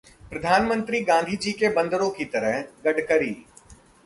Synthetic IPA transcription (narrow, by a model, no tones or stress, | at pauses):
pɾɐd̪ʱaːnmə̃nt̪ɾiːɡãːnd̪ʱid͡ʒiːkebɐ̃nd̪əɾõkit̪ɐɾəɦɡɐɖkɐɾiː